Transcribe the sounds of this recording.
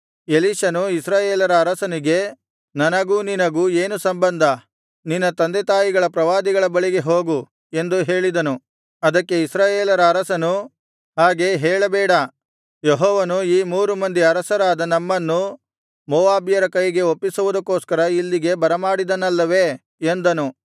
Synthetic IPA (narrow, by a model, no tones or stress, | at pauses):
e̞liːʃɐnuisɾaːjeːlɐɾɐːɾɐsɐniɡe̞ | nɐnɐɡuːninɐɡuːe̞ːnusɐmbɐnd̪ʱɐ | ninːɐt̪ɐnd̪et̪aːjiɡɐɭɐpɾɐʋaːd̪iɡɐɭɐbɐɭiɡe̞ɦo̞ːɡu | e̞nd̪uɦe̞ːɭid̪ɐnu | ɐd̪ɐkːe̞isɾaːjeːlɐɾɐːɾɐsɐnu | ɦaːɡe̞ɦeːɭɐbɛːɽɐ | jeɦɔːʋɐnuiːmuːɾumɐnd̪iɐɾɐsɐɾaːd̪ɐnɐmːɐnːu | mɔːʋaːbijɐɾɐkɐjiɡe̞opːisuʋud̪ɐkːoːskɐɾɐilːiɡe̞bɐɾɐmaːɽid̪ɐnɐlːɐʋe̞ | end̪ɐnu